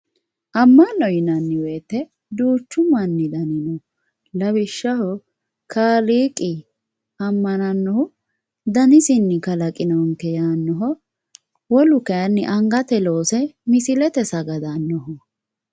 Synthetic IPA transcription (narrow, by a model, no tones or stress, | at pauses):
ʔɐmːɐnːɔjɪnɐnːɪweːt̪ːɛ | d̪uːt͡ʃːʊmɐnːɪd̪ɐnɪnɔ | lɐbɪʃːɐhɔ | kʰaːliːkʼɪ | ɐmːɐnɐnːɔhʊ | d̪ɐnɪsɪnːɪkɐlɐkʼɪnɔŋkɛjaːnːɔɦɔ | wɔlʊkɐjɐnːɪʔɐŋɡɐt̪ɛlo̞ːsɛmɪsɪlɛt̪ɛsɐɡɐd̪anːɔhɔ